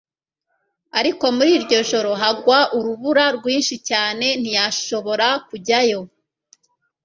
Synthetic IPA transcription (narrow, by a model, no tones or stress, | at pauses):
aɾiko̞muɾiɾɟo̞ʒo̞ɾo̞ɦaɡwaʔuɾuβuɾaɾɡwiːnʃicaːne̞n̥ijaʃo̞βo̞ɾakuɟajo̞